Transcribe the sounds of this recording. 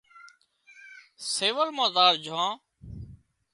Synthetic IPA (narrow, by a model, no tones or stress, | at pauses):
seːʋəlmãːzaːɾd͡ʒʱãː